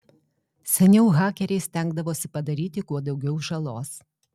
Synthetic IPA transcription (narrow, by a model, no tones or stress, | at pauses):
sʲɛnʲɛʊɣɑːkʲɛɾʲɛɪsʲt̪ʲæŋɡd̪ɐʋoːsʲɪpɐd̪ɐɾʲiːt̪ʲɪkuɔd̪ɒʊɡʲɛʊʒɐlˠoːs